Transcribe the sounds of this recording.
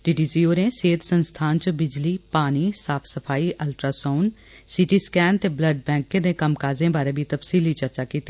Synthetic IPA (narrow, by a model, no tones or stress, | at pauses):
ɖiːɖiːsiːoːnẽːseːd̪sənst̪ʰaːnt͡ʃəbɪd͡ʒliːpaːniːsaːpʰsəpʰaːiːʔəlʈɾaːsoːn | sɪʈiːskɛːnt̪eːbləɖ̚bɛ̃ːkːẽd̪ẽːkəmkaːzẽːbaːɾeːbʱiːt̪əpsiːliːt͡ʃəɾt͡ʃaːkiːt̪i